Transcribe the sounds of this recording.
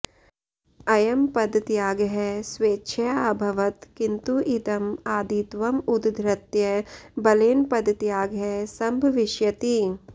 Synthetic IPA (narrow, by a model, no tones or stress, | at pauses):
ɐjɐmpɐd̪t̪jaːɡɦɛsʋeːtːʃʰɐaːbʱɐʋɐt̪kint̪uʔit̪ɐmaːd̪iːt̪ʋɐmud̪d̪ʱɾɐt̪jɐbɐleːnpɐd̪t̪jaːɡɦɛsɐmbʱɐʋɪʃjɐt̪i